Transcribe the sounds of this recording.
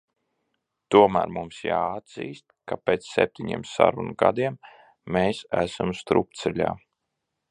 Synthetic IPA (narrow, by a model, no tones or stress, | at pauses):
t̪uɔmæ̰ːɾmumsjaːad̪z̥iːst̪kapʲeːt̪ssep̚t̪ʰʲiɲḭɛmsa̰ɾunuɡad̪iɛmː | eːsæ̰samst̪ɾupt̪sɛlʲa̰ː